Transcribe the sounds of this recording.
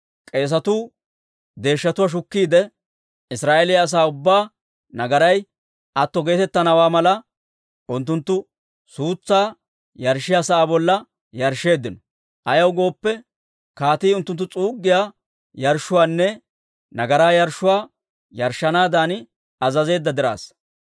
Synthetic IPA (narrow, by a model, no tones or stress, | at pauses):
kʼe̞ːs̬ɐt̪uː | d̪e̞ːʃːɐt̪ʊwaʃ̬ʊkːiːd̪ɛ | ɪsɾaːʔeːlɪjɐs̬aːʊbːaː | nɐɡɐɾɐj | ɐt̪ːɔɡe̞ːt̪ɛt̪ːɐnɐwaːmɐlɐ | ʔʊnt̪ːʊnt̪ːʊ | suːt͡sːaː | jɐɾʃːɪjasaaːbɔlːɐ | jɐɾʃe̞ːd̪ːɪnɔ | ʔɐjɐwɡo̞ːpːɛ | kaːt̪iːʊnt̪ːʊnt̪ːʊt͡sʼuːɡːɪjaː | jɐɾʃʊwaːnːɛ | nɐɡɐɾaːjɐɾʃʊwaː | jɐɾʃːɐnaːd̪aːnɪ | ɐzɐze̞ːd̪ːɐd̪ɪɾa̰ːs